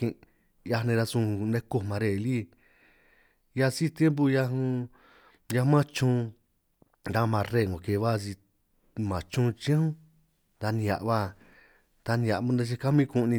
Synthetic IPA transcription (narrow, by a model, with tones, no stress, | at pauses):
ĩ˧ | ja˧nẽ˧ɾa˧sũ˧nẽ˧ko˦˧mã˨˧ɾe˧˨li˦ | ja˧si˦˧t̪je˦mp̬u˧ja˧ɦũ˧ | ja˧˦mã˦t͡ʃũ˧ | ɾa˧mã˧ɾe˦˧˨ŋɡo˨ke˧˨˧βa˦˧s̬i˧ | mã˨t͡ʃũ˦˧t͡ʃĩ˦hũ˦ | t̪a˧nĩ˧a̰˨ʔβa˦ | d̪a˧nĩ˧a˨˧mũ˧˦nẽ˧t͡ʃ̬i˧ka˦mĩ˦˧kũ˧nĩ˧